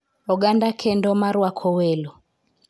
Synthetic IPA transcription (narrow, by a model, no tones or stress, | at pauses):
ɔɡandakʰɛndɔmaɾwakʰɔwɛlɔ